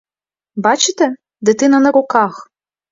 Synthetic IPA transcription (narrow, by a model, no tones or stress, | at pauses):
bɑt͡ʃɪt̪ɛ | d̪ɨt̪ɪnɐnɐɾʊkɑx